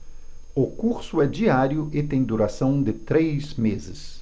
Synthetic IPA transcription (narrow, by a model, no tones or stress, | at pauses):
ʊkuɾsʊɛd͡ʒiaɾjʊʔɪt̪ẽj̃d̪uɾasɐ̃w̃d̪ɪt̪ɾejzmezɪs